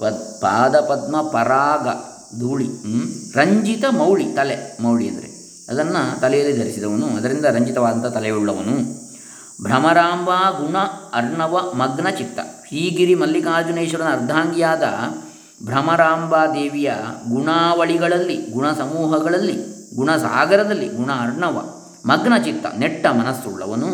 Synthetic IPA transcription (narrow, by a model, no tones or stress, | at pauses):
pɐpa̰ːd̪ɐpɐd̪mɐpɐɾaːɡɐ | d̪uːɭiɾɐɲd͡ʒit̪ɐmɐwɭit̪ɐlemɐwɭiɐ̰nd̪ɐɾe | ɐd̪ɐnːɐt̪ɐlɛjɐlːid̪ʱɐɾisid̪ɐʋɐnuɐd̪ɐɾind̪ɐɾɐɲd͡ʒit̪ɐʋaːd̪ɐnt̪ɐt̪ɐlɛjuɭːɐʋɐnu | bʱɾɐmɐɾaːmbʱaːɡuɳɐɐɾɳɐʋɐmɐɡnɐt͡ʃit̪ːɐ̰ʃɾiːɡiɾimɐlːikaːd͡ʒuneːʃɐɾɐnɐɾd̪ʱaːŋɡijaːd̪ɐ̰ | bʱɾɐmɐɾaːmbʱaːd̪eːʋijɐɡuɳaːʋɐɭiɡɐɭɐlːiɡuɳɐsɐmuːɦɐɡɐɭɐlːiɡuɳɐsa̰ːɡɐɾɐd̪ɐlːiɡuɳɐːɾɳɐʋɐ̰ | mɐɡɳɐt͡ʃit̪ːɐ̰neʈːɐmɐnɐsːuɭːɐ̰ʋɐnu